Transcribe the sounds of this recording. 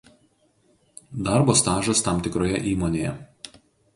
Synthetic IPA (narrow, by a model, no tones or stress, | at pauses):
d̪ɑˑɾboːst̪ɑːʒɐst̪ɑˑmt̪ʲɪkɾoːjɛʔiːmoːnʲejɛ̰